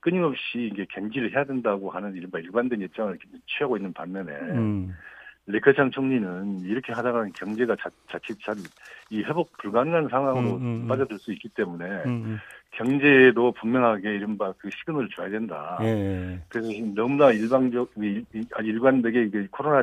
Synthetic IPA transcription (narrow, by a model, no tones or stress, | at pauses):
k͈ɯɲiŋʌp̚ɕ͈iːnɡe̞kend͡ʑiɾɯɭhe̞jadwe̞ndaɡohanɯniɾɯmbaiɭɡwandwe̞njet̚t͡ɕ͈aŋɯɭkʰet͡ɕʰiɦaɡoinːɯnpanmjʌne̞̰ | lekʰɯt͡ɕʰaŋt͡ɕʰoŋɲinɯniɾʌkʰe̞ɦadaŋanɯnkjʌŋd͡ʑe̞ɡat͡ɕat͡ɕat͡ɕʰit͡ɕ͈anihe̞bok̚p͈uɭɡanɯŋansʰaŋɦwaŋɯɾop͈ad͡ʑʌdɯɭs͈uik͈it͈e̞mune̞ | kjʌŋd͡ʑe̞dopummjʌŋɦaɡe̞iɾɯmbakɯɕʰi̥ɡɯŋɯɭt͡ɕuadwe̞nda̰ | kɯɾe̞sʰʌnʌmunaiɭbaŋd͡ʑʌieaiɭɡwandwe̞ɡe̞ikekʰoɾona